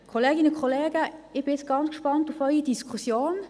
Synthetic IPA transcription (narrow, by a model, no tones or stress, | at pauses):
kʰoleːɡɪnəkʰχoleːɡəɪb̥ɪɪt͡sɡ̥ɑnt͡skʃpɑntufœʏidiskʰusjoːn